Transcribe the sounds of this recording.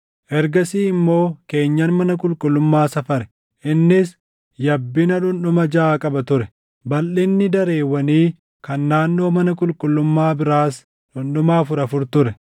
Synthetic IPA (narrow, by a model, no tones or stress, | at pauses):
ʔɛɾɡɐsiːɪmːo̞ːke̞ːɲːɐnmɐnɐkʼʊlkʼʊlːʊmːaːsɐfɐɾɛ | ʔɪnːɪs | jɐbːɪnɐᶑʊnɗʊmɐd͡ʒaːkʼɐbɐt̪ʊɾɛ | bɐlʔɪnːɪd̪ɐɾe̞ːwːɐniː | kɐnːaːnːo̞ːmɐnɐkʼʊlkʼʊlːʊmːaːbɪɾaːs | ᶑʊnɗʊmaːfʊɾɐfʊɾt̪ʊɾɛ